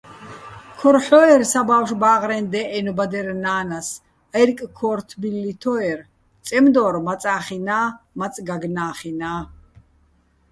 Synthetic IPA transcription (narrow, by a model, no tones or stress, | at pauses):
kʰɔɾħɔɛɾsabawʃbaːʁɾɛnd̪ɛʔɛnubad̪ɛɾnaːnas | ɛrkʼkʰɔːɾt̪ʰbilːit̪ʰɔɛr | t͡sʼɛmd̪ɔɾmat͡sʼaːχinaːmat͡sʼɡaɡnaːχinaː